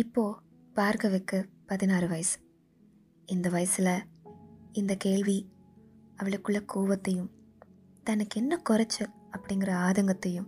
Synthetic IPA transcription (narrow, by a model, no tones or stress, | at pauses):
ɪpːoː | paːɾkɐʋekːɯpɐðɪnaːrɯʋɐjɐsɯ̥ | ɪnd̪ɐʋɐjɐsɪlɐ | ɪnd̪ɐkeːɭʋi | ɐʋɐɭɯkːɯɭːɐkuːʋɐt̪ːɐjɯm | t̪ɐnːɯkːɛnːɐkʊrɐt͡ʃːɯ | ɐpːɐɽɪŋɡɪrɐaːðɐŋɡɐt̪ːɐjɯ̃m